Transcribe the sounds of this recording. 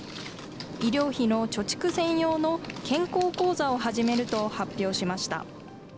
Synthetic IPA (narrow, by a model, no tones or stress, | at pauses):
iɾʲo̞ːçino̞t͡ɕo̞t͡ɕi̥kɯ̟sẽ̞ɰ̃jo̞ːno̞kẽ̞ŋko̞ːko̞ːzao̞ɦaʑime̞ɾɯ̟t̪o̞hapʲːo̞ːɕimaɕi̥t̪a̰